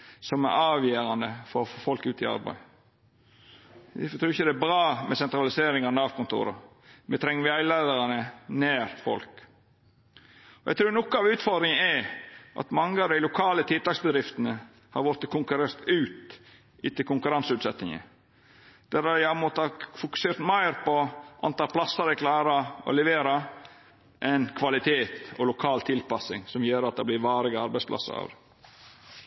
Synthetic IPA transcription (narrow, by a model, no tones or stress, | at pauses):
sɔmæ̰ɾɑːʋjeːɾɑnd̪əfɔɾɔfoːfɔlkʉːt̪ɪɑ̰ɾbæ̰ɪ | ft̪ʰɾʉːɾɪçəd̪ɛæbɾɑːmɛsɛnt̪ɾɑlɪseːɾɪŋɑnəɑʋkʊnt̪ʰṵːɾɑ̰ | mɛt̪ʰɾɛŋːəʋɪæɪlæɪd̪əɾɑnəneːɾfɔ̰lk | ɔjʔæ̰ɪt̪ʰɾʉːɾnɔkːəɑʋʉːt̪fɔɾd̪ɾɪŋəæʔɑ̰t̪mɑŋːəɑʋd̪æɪlʊkʰɑːlət̪ʰɪt̪ɑːksbəd̪ɾɪft̪ənə | hɑ̰ɾʋɔːɾt̪ːəkʰʊŋkʉɾeːɾt̪ʉːt̪ | ɪt̪ɪlkʊŋkʉɾɑnsʉːt̪sɛt̪nɪŋə̰ | d̪̥æɾæɑmɔt̪ːɑfʊkʉ̥seːɾt̪mæɪɾpɔʔɑ̰nt̪ɑːlplɑsəɾæɪklɑːɾɑɔ̰lɛʋeːɾɑ | ʔɛnkʰʋɑlɪt̪ʰeːt̪ɔlʊkʰɑːlt̪ʰɪlpɑsɪŋsɔmjøːɾɑt̪̚d̪ɑblɪɾʋɑːɾɪɡəɑɾbæɪsplʔɑ̰sːə̰ɾɑ̰ːʋd̪